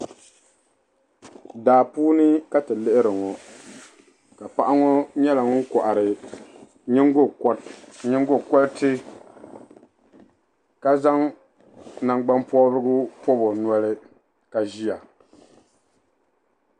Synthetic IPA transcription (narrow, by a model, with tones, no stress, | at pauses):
daː˨puː˦nɨ˦ka˦tɨ˨lɨ˦ʔɪ˦ɾɨ˨ŋɔ˨ | ka˨pa˦ʔa˦ŋɔ˦ɲɛ˦la˨ŋɔ˦ŋ̩˦kɔ˨ʔa˨ɾɨ˨ | ɲɪ˦ŋ˦ɡʊ˦˨˦ɲɪ˦ŋ˦ɡʊ˦kɔ˦ltɪ˦ | ka˦za˦ŋ | na˨ŋɡ͡ba˦mpɔ˦bɨ˦ɡʊ˦pɔ˦bɔ˨n˨ɔ˦lɪ˦ | ka˨ʒi˦a˨